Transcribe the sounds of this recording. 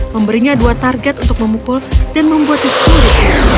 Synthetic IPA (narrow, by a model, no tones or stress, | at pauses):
məmbəɾiɲaduat̪arɡɛt̪unt̪ʊk̚məmukʊldanməmbuat̪isulɪt̪̚